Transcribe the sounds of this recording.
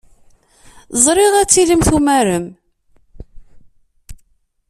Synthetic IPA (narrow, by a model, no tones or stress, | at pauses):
zˤɾˤɪʁæt͡sːiləmθumæɾəm